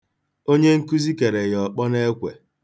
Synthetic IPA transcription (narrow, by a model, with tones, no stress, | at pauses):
o˦ɲe˦ŋ̩˦ku˦zi˦ke˨ɾe˨jɔ˨k͡pɔ˦ne˦kʷḛ˨